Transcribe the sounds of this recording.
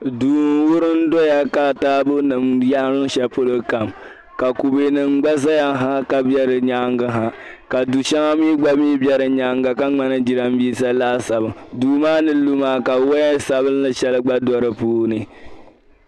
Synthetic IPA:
duː˨n˨wʊ˦ɾɨ˦n˦dɔ˦ja˦ka˨taː˦bʊ˦nɨ˨mja˦ɾɨ˦n˦ʃɛ˦po˦lɨ˦ka˨m | ka˨ku˨be˨nɨ˨ŋ͡mɡ͡ba˦s̬a˦ja˦ɦa˦ka˦bɛ˦ɾɨ˨ɲaː˦ŋɡa˦ɦa˨ | ka˨du˨ʃa˦ŋa˦miː˦ɡ͡ba˦miː˦bjɛ˦ɾɨ˨ɲa˦ŋɡa˨ka˦ŋ͡ma˦nɨ˦d͡ʒi˦ɾa˦m˦biː˦sa˦laː˦sa˨bɨ˨ŋduː˨maː˦nɨ˦lu˦maː˦ka˨wɔ˦ɛ˦sa˦bɨ˦n˦lɨ˦ʃɛ˦lɨ˦ɡ͡ba˦dɔ˦ɾɨ˦puː˦nɨ˨

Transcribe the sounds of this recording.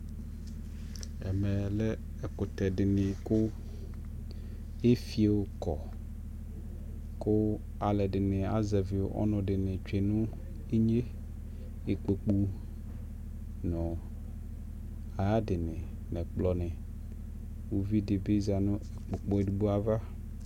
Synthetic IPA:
ɛ̰˨mɛ˨lɛ˦ | ɛ˨kʊ˨t̪ɛ˨dɪ˨nɪ̃˨kʊ˦ | e˦fi˨e˨wo˨kɔ˨ | kʊ˦ | a˨lɛ˨dɪ˨nɪ̃˨a˨ze˨vɪ˨o˨ʔɔ̰˦nʊ̃˨dɪ˨nɪ̃˨t͡ʃᶣe˨nʊ̃˦ | e˦ɲe˦ | e˨k͡pe˨k͡pu˨ | nɔ̃˨ | a˨a˦dɪ˨nɪ̃˨ | nɛ̃˨k͡plɔ˨nɪ̃˨ | wo˨vi˦dɪ˨be˦za˨nʊ̃˦e˨k͡po˨k͡po˨˦e˨du˨bu˦a˨va˦

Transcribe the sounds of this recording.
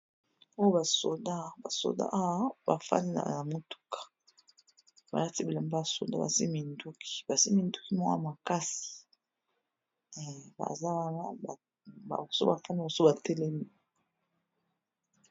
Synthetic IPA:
o˦jo˦ba˨so̰˨da˦ba˨so̰˨da̰˦ʔa˦wa˦ba˨fa̰˦ni˦na̰˨na˨mo˦tu̥˦kḁ˨ | ba˨a˦ti˦bi˨la˨mba˦a˨so̰˨da̰˦ba̰˨si˦mi˨ndu˦ki̥˨ba˨si˦mi˨ndu˦ki˦ma˦a̰˦ma˨ka˦si̥˨ | ba̰˨za˦˨a˦a˨ | a̰˨so̰˦ba˨fa˦n˦˨o˨so˦ba˨tɛ˦lɛ˦mi˦˨

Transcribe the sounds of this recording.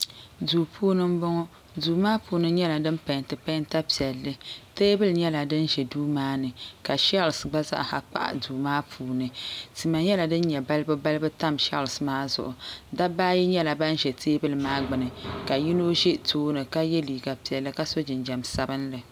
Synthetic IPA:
duː˨pʰuː˦nɨ˦m˦bɔ˦ŋɔ˦ | duː˨maː˦puː˨nɨ˦ɲɛ˦la˨dɨ˦mpa˨ntɨ˨pa˦nta˦pi˨ɛ˨lːɨ˦teː˦bɨ˦lɲɛ˦la˨dɨ˦nʒɛ˨duː˦maː˦nɨ˨ka˨ʃa˦˨lsɡ͡ba˦za̰˦ʔha˨k͡pa̰˦ʔa̰˨duː˨maː˦pʰuː˨nɨ˨ti˨ma˨ɲɛ˦la˨dɨ˦n˦ɲɛ˨ba˦lɨ˦bɨ˦ba˦lɨ˦bɨ˦ta˦mʃa˦˨lsmaː˦zʊ̰˨ʔʊ˨da˦baː˦ji˦ɲɛ˦la˨ba˦n˦ʒɛ˨tʰeː˦bɨ˦lɨ˨maː˦ɡ͡bɨ˨nɨ˨ka˨ji˦no˦ʒe˦toː˦nɨ˨ka˦jɛ˦liː˨ɡa˨pi˨ɛ˨lːɨ˦ka˦so˦d͡ʒɪ˨nd͡ʒɛ˨msa˦bɨ˦nlɨ˨

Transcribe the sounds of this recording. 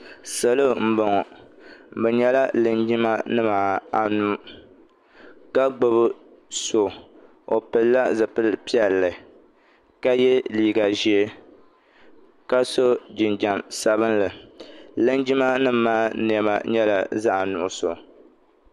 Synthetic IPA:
sa˨lo˦m̩˨bo˨ŋɔ˨ | m̩˨bɛ˨ɲɛ˦la˦lɨ˨nd͡ʒi˦ma˦nɨ˦maː˨a˨nuː˦ | ka˦ɡ͡bo˦βɨ˦ | so˨ | o˨pɨ˨lla˦zɨ˨pɨ˦lpi˦ɛ˨lːɨ˨ | ka˦jɛ˦liː˦˨ɡa˨ʒi˦e˦ | ka˦so˦d͡ʒɪ˨nd͡ʒa˨msa˨˦βɨ˦nlɨ˨lɨ˦nd͡ʒi˦ma˦nɨ˦m˦maː˦n˨ɛ˨ma̰˨ɲɛ˦la˨za˦ʔa˨nʊ˨ʔʊ˨so̰˨

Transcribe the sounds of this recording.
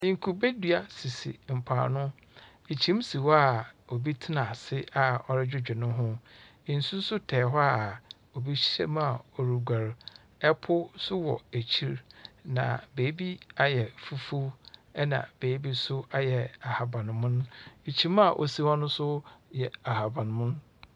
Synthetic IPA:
ɪ̃˨ŋ̩˨kʰu˨be˦dɥa˨si˨sḭ˨m̩˨pʰa̰ː˨nʊ̃˦ | e˨t͡ɕʰi˦m˦si˨wɔ˦a˨o˨bi˦tʰɪ˦nã˨sɪ˦a˨ɔ˨ɾɪ˦d͡ʑᶣɪ˦d͡ʑᶣɪ˨nʊ̃˦ɦʊ̃˦˨ | n̩˨sũ˦n̩˦sʊ˦tʰɛː˨ɦɔ˦a˨ | o˨bi˦ɕɛ̰˦m˦a˨ɔ˨ɾu˨ɡʷa˨ɾ | ɛ˦pʰʊ˦sʊ˦wɔ̰˨æ˨t͡ɕʰi˦ɾnã̰˨beː˨˦bi˦a˦jɛ˨fu˦fu˦ɛ˦nã̰˨b̥eː˨˦bi˦sʊ˦a˦jɛ˨a˨ha˨bã˨ñ˨mʊ̃˦ñ˦e˨t͡ɕʰi˨˦ma˨ʔo̰˨si˦hɔ̃˦nʊ̃˦sʊ˦jɛ˨a˨ha˨bã˨ñ˨mʊ̃˦n˦

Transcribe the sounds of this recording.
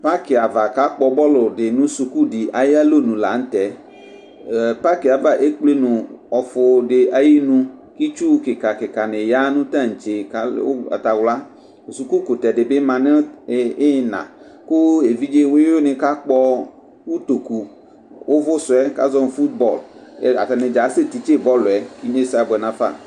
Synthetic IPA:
pa˦kɪ˨a˨va˨ka˦k͡pɔ˨bɔ˦lʊ˨ɖɪ˨nũ˦su˨ku˦di˨ʔa˨ja˦lo˦nũ˨la̰˨n̩˦t̪ɛ˨ | pa˦ki˨a˨va˦ʔe˦k͡ple˦nũ˨ɔ˨fʊ˨ɖɪ˨a˨ji˦nũ˦ki˦t͡ʃu˦kɪ˨ka˨kɪ˨ka˨nɪ̃˨ja˦nũ˦t̪ã˦ŋ̩˨t͡ʃe˨ka̰˦a̰˨t̪a˨wla˦˨ | su˨ku˦ko˨t̪ɛ˨ɖɪ˨be˦mã˨nẽ˦ɪ˦nã̰˨ | kʊ˦e˨vi˦d͡ʒe˦we˦o˦nɪ̃˨ka˦k͡pɔ˦ | wu˦t̪o˨ku˨ | wʔo˦vʊ˦sʊ˨ɛ˦ka̰˦zɔ˦n˨fu˦t̪̚bɔ˨la̰˨t̪a˨nɪ̃˨d͡ʒa˨˦se˦t̪i˨t͡ʃe˦bɔ˦lo˨ɛ˨˦ki˦ɲe˦sa˨bɛ˨nã˨fa̰˦˨

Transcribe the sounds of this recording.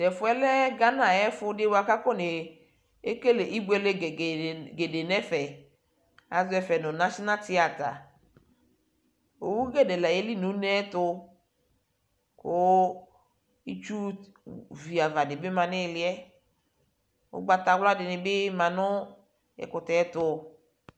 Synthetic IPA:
dɛ˨fʊ˨˦ɛ˦lɛ˦ɡa˦na˨ɛ˦fʊ˧dɪ˦wa˨ka˦kɔ˦˨ne˨ | e˦ke˦le˨ʔi˦bu˦ɛ˨le˦˨ɡe˨de˨nɛ˦fɛ˨ | a˨zʊ˦ɛ˨fɛ˨nʊ˨na˦ʃi˦na˦tɪ˦a˨ta̰˨ | o˨wu˦ɡɛ˦˨dɛ˨la˨e˦li˦nu˨˦nɛ˦tʊ˧ | kʊ˦ | i˦t͡ʃu˦ | vi˨a˨va˨dɪ˨bɪ˦ma˨nɪ˦˨lɪ˨ɛ˦ | ʊ̰˦ɡ͡ba˧ta˨wla˦dɪ˨nɪ˨bɪ˦mã˨nʊ˦ | ɛ̰˨kʊ˨tɛ˨ɛ˦tʊ˧

